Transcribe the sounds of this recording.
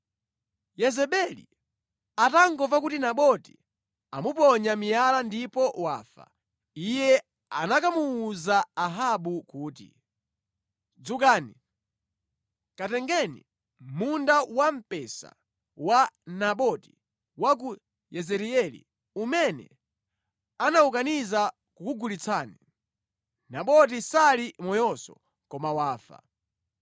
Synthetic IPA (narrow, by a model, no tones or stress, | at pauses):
jɛzɛɓɛlḭ | ataŋɡɔpak̬utinaɓɔti̥ | amupɔɲamijalandipɔwa̰ːfa̰ | ijɛ | anakamuːzaːɦaɓukuːtḭ | d͡zukaːni | katɛŋɡɛnḭ | mundawam̩pɛsa̰ | wanaɓɔti | wak̬u | jɛzɛɾiɛlḭ | umɛnɛ̰ | anaukaniza | kukuɡulit͡sʰaːni | naɓɔt̬isalimɔjɔsɔ̰ | kɔmawaːfa̰